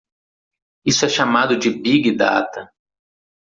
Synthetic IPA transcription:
isʊɛʃamad̪ʊd͡ʒɪbiɡɪd̪a̰t̪ɐ

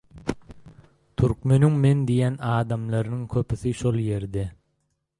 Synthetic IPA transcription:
t̪ʰyɾkmø̞nyŋme̞nd̪ijænɑːd̪ɑmlˠɑɾɯnɯŋkʰøpiθiʃolˠje̞ɾd̪e

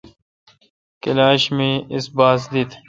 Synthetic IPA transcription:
kɪlaːɕmẽːɪsbaːzlit̪

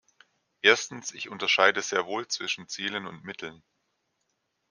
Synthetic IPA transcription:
ʔeːɐstn̩sɪçʔʊntɐʃaɪdəzeːɐvoːlt͡sv̥ɪʃn̩t͡siːlənʊntmɪtʰl̩n

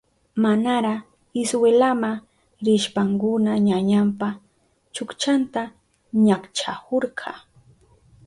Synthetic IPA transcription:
manaɾa | ɪswelama | ɾɪʃpaŋkʊnaɲaɲampa | t͡ʃʊkt͡ʃant̪a | ɲakt͡ʃahoɾɢʰɑ

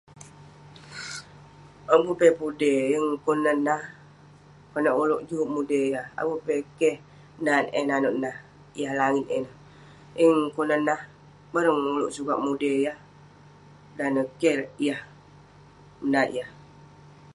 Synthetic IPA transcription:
abupepudeəŋkunənah | kənaʔuloʔd͡ʒuʔmudejaha̰bupekeh | nanḛnanoʔnah | jahlaŋit̪̚ena | iŋkunənah | bəɾəŋuluʔsuɡaʔmudejah | danəkeɾjah | naʔijah

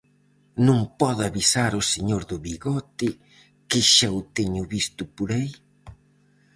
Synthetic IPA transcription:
nũŋpɔðaβisaɾʊseɲoɾðʊβiɣɔt̪ɪ | kɪʃawt̪eɲʊβist̪ʊpoɾai

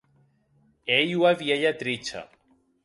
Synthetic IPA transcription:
ejwaβjeʎat̪ɾit͡ʃa̰

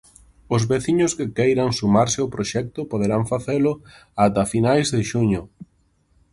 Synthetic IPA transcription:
ʊzβeθiɲʊskɪkejɾaŋsumaɾsɪopɾoʃɛk̚t̪ʊpoð̞eɾaɱfaθelʊ | at̪afinajzðɪʃuɲʊ

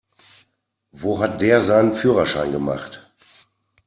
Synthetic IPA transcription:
voːɦat̚d̥eːɐzaɪnənfyːʁɐʃaɪnɡəma̰χt

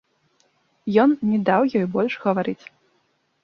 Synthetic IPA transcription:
jɔnnʲɛd̪awjɔjbɔlʲʂɣɐvaɾɨt͡sʲ

